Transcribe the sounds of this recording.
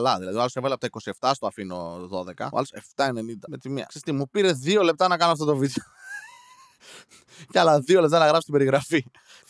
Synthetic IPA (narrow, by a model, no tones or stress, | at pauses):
lɐðilɐðioɐlo̞sevɐliɐpot̪ɐikosie̞ft̪ɐst̪oɐfino̞̰ðo̞ðe̞kɐ̰o̰ɐ̰lose̞ft̪ɐene̞nind̪ɐmet̪imiɐ̰ksist̪imupiɾe̞ðio̞lep̚t̪ɐnɐkɐnoɐft̪ot̪ovid̪eo | cɐlɐðiolep̚t̪ɐnɐɣɾɐfst̪ibeɾiɣɾɐfi